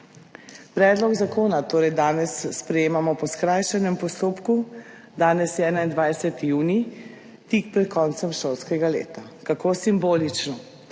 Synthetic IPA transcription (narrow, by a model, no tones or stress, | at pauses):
pɾɛːd̪lɔɡzakoːnat̪oːɾɛjd̪aːnɛsːpɾɛjeːmamɔpɔskɾajʃɛnɛmpɔst̪oːpku | d̪aːnɛsjɛɛːnaind̪ʋajsɛt̪ijuːni | t̪ikpɾɛt̪̚kʰɔnt̪sɛmʃolskɛɡalḛːt̪akakoːsimboːlit͡ʃnɔ